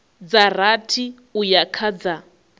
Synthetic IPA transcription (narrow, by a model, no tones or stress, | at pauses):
d͡zaratʰi | ujakʰad͡za